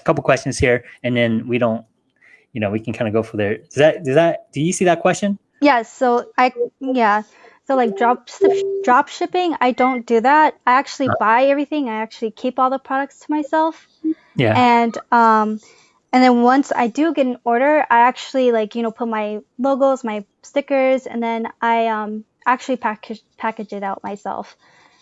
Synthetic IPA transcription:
kʰʌpl̩ˠkʰw̥ɛst͡ʃɨ̃nz̥hiɹɨ̃nðɨ̃nwiɾõʊ̃nt̚ | jɨnoʊwikʰn̩kʰãɪ̃nɨɡoʊfə˞ðə˞d̥ʌzðɨt̚d̥ʌzðæt̚d̥ɨjɨsiðɨt̚kʰw̥ɛst͡ʃɨ̃n | jɛsoʊaɪjæ | soʊlaɪk̚dɹɑpsɪpdɹɑpʃɪpɪ̃ŋa̰ɪdõʊ̃nd̥ɨðæt̚aɪæk̚t͡ʃʉl̩ˠibaɪɛvɹiθɪ̃ŋaɪæk̚t͡ʃʉl̩ˠikʰipɔlˠðəpʰɹ̥ɑɾɨk̚tstʰəmaɪsɛlˠf | jæ̰ɨ̃nʌ̃m | ɨ̃nðɨ̃nwʌ̃nsa̰ɪdɨɡɛɾɨ̃n̩ɔɹɾə˞a̰ɪæk̚t͡ʃʉl̩ˠilaɪkjɨñoʊpʰʊt̚maɪmoʊɡl̩ˠzmaɪ | stɪkə˞zɨ̰̃nðɨ̃nʔaɪʌ̃m | æk̚t͡ʃʉl̩ˠipʰækpʰækɨd͡ʒɨɾaʊt̚mʔaɪsɛ̰lˠf

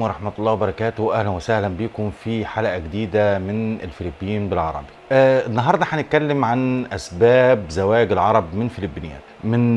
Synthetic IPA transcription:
wɑɾˤɑħmæt̪lˤːɑːwebɑɾˤɑkæːt̪ʊwʔæhlænwæsæhlænbiːkʊmfiħalʔæɡed̪iːd̪æmɪnɪ̰lfɪlɪbːɪjiːnbɪlʕɑ̰ɾˤɑ̰bi̥ʔnːɑɦɑːɾˤd̪ˤɑħanɪt̪̚kælːɪmʕanʔæsbæːbzæwæːɡɪlʕɑɾˤɑbmɪnfɪlɪbːɪnɪjæ̰ːmɪn

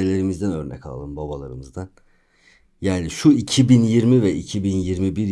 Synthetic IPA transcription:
elʲe̞ɾimizd̪ænø̞ɾnɛ̰kʰalˠa̰lˠɯmbabalˠa̰ɾɯmɯzd̪an | jaːniʃuicʰibinjiɾmivɛʔicʰibinjiɾmibiɾ

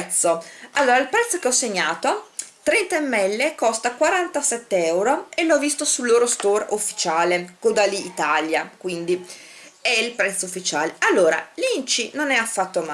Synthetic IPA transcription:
t̪sːoalːoːɾailpɾɛt̪sːokeɔsːeɲːaːt̪ot̪ɾɛnt̪aemːɛlːekɔst̪akwaɾant̪asɛt̪ːeɛwɾoelːɔvːist̪osulːoːɾost̪orufːi̥t͡ʃaːlekod̪aliːt̪aljakwind̪i | ɛilpɾɛt̪sːoufːit͡ʃaːlealːoːɾa̰lint͡ʃinonɛafːat̪ːoma

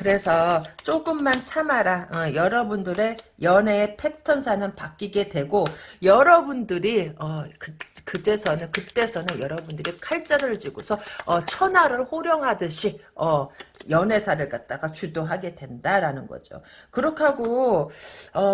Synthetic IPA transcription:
kɯɾe̞sʰʌt͡ɕ͈oɡɯmːant͡ɕʰamaɾaʌjʌɾʌbundɯɾe̞jʌne̞ːpʰe̞tʰʌnsʰanɯnpak͈iɡe̞dwe̞ɡojʌɾʌbundɯɾiʌkɯkɯd͡ʑe̞sʰʌnɯnkɯt͈e̞sʰʌnɯnjʌɾʌbundɯɾikʰaɭt͡ɕ͈aɾɯɭd͡ʑiɡosʰʌʌt͡ɕʰʌnaɾɯɭhoɾjʌŋɦadɯɕʰiʌjʌne̞sʰaɾɯɭkat̚t͈aɡat͡ɕudoɦaɡe̞dwe̞ndaɾanɯnɡʌ̰d͡ʑo̰ | kɯɾʌkʰaɡo | ʌ

